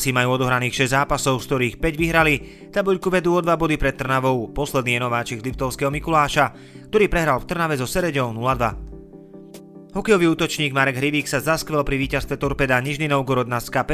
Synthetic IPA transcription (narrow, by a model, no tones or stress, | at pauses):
simajuːɔd̪ɔɦɾaniːxʃɛzʲzaːpasɔʊskt̪ɔɾiːxpɛɟʋiɦɾali | t̪abɔʎkuʋɛd̪uːɔd̪ʋabɔd̪ipɾɛt̪̚ːr̩naʋɔʊpɔslɛd̪niːjɛnɔʋaːt͡ʃizlipt̪ɔʊskɛɦɔmikulaːʃa | kt̪ɔɾiːpɾɛɦɾalft̪r̩naʋɛzɔsɛɾɛɟɔʊnulad̪ʋa | ɦɔkɛjɔʋiːuːt̪ɔt͡ʃɲiːɡmaɾɛɡɦɾiʋiːksazaskʋɛlpɾiʋiːcast̪ʋɛt̪ɔɾpɛːd̪aɲiʒninɔʊɡɔɾɔd̪̚naskapɛ